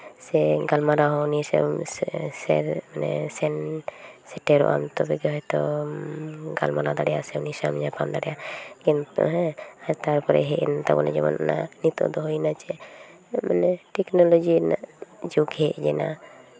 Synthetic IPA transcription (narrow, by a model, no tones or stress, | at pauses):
sɛɡalmaɾaɦɔunisɛ̰msɛ̰ɾmanɛ̰sɛnsɛʈɛɾɔ̰ʔa̰mt̪ɔbɛɡɦɔjt̪ɔ | ɡalmaɾad̪aɽɛjasɛunisamɲapamd̪aɽɛjaɡɛnɦɛaɾt̪aɾpɔɾɛ̰ɦɛʔɛnt̪abɔnɛ̰d͡ʒɛ̰mɔ̰nna̰nit̪ɔ̰d̪ɔɦojnat͡ʃɛ | manɛʈɛknɔlod͡ʒina̰ʔd͡ʒukɦɛʔd͡ʒɛna